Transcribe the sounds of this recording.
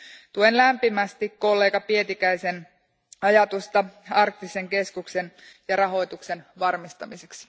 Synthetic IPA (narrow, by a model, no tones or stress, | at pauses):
t̪uenlæmpimæst̪ikko̞lːe̞ːkɑpie̞t̪ikæjse̞n | ɑjɑt̪ust̪ɑɑrk̚t̪ːise̞ŋke̞skukse̞n | jɑɾɑɦo̞jt̪ukse̞nʋɑrmist̪ɑmiseks